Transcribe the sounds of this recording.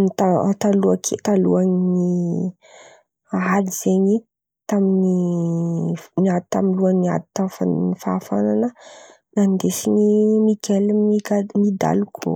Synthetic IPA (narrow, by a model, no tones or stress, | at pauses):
nit̪at̪aluakʰet̪aluanini | aliz̥eɲi | t̪amini | niad̪it̪amiluania̰d̪i̥t̪afa̰nifaːfa̰nanə | nand̪esinimikelmikamid̪a̰lukʰo̰